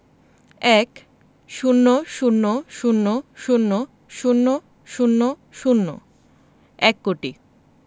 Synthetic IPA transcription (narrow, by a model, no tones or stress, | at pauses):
ɛk | ʃunːoʃunːoʃunːoʃunːo | ʃunːo | ʃunːo | ʃunːo̰ | ɛkːoʈi